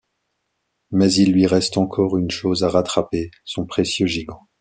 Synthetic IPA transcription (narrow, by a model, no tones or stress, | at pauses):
mɛzilːɥiʁɛst̪ɑ̃kʰɔʁynʃozaʁat̪χapesɔ̃pχesjøʒiɡɑ̃